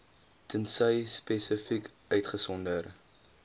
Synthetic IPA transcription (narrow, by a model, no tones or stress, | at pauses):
tʰənsəjspesəfik | œɥtχəsɔndər